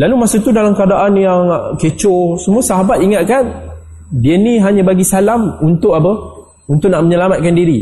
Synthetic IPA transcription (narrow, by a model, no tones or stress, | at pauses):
lalumasut̪udalamkəadaʔanjaŋket͡ʃʊsəmuasaɦabat̪iŋat̪̚kan | diənĩɦaɲãbaɡisalamunt̪ʊʔapə | unt̪ʊʔ̚naʔməɲəlamat̪̚kandiɾi